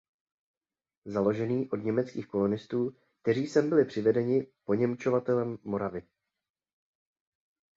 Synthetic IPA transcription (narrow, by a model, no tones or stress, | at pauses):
zalo̞ʒɛniːʔo̞dɲɛmɛt͡skiːxko̞lonɪst̪uː | k̚t̪ɛr̝iːsɛmbɪlɪpr̝̥ɪvɛdɛɲɪpo̞ɲɛmt͡ʃo̞vat̪ɛlɛmːo̞ɾavɪ